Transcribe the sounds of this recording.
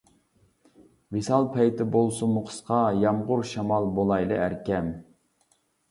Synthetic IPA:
visɑlˠpʰɛjt̪ʰɪbolˠsumʊqʰə̥sqɑjɑmʁʊɾʃɑmɑlˠbolˠɑjlˠɨæɾkʲɛm

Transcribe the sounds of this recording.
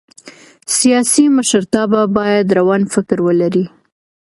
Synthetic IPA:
sijɑsiməʃəɾt̪ɑbabɑjad̪ɾawɑnfɪkɾwəlaɾi

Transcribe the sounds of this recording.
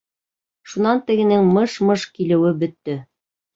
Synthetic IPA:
ʃunɑnt̪ɘ̆ɡɘ̆nɘŋmɤʃmɤʃkilɘ̆wɘbɵ̆t̪ːɵ

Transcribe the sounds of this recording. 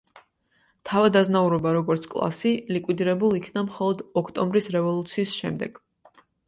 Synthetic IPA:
t̪ʰavad̪aznauɾɔbaɾɔɡɔɾt̪sʰkʼlˠa̰silikʼwid̪iɾɛbulˠikʰnamχɔlˠɔd̪ɔkʰt̪ʼɔmbɾisɾɛvɔlˠut̪sʰiːsʃɛmd̪ɛɡ̥

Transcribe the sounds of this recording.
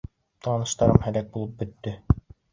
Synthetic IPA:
t̪ʰɑnɤ̆ʃt̪ɑɾɤmhælæk̚bulˠɤp̚bɵ̆t̪ːɵ

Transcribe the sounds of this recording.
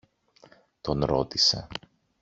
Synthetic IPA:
t̪o̞nɾo̞̰t̪ise̞̰

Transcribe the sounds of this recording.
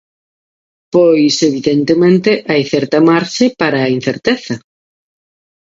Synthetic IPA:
pojseβiðent̪emẽnt̪ɪʔajθɛɾt̪ɐmaɾʃɪpaɾɐːin̟θeɾt̪eθɐ

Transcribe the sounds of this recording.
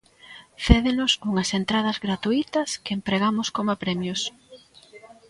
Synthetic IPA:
θeðenʊsuŋɐsent̪ɾað̞ɐzɣɾat̪uit̪ɐskeempɾeɣamʊskomapɾɛmjos

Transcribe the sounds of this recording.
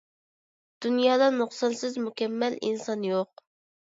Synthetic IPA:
d̪̥unjɑːd̪ɑnuχsɑnsɪzmukʲɛmːɛlḭnsɑnjoq̚

